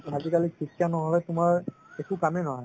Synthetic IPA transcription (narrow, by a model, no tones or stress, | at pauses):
azikalikʰikʰjanɔɦɔlɛtʊmaɹ | ɛkukamɛnɔɦɔ